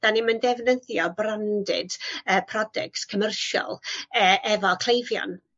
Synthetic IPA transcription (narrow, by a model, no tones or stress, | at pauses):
d̥animəndɛvnəθjɔbrandɪ̰d̥əːpʰrɔdɛ̰kskʰəmərʃɔ̰lˠəʔɛvɔkʰl̥ˠejvjɔ̰n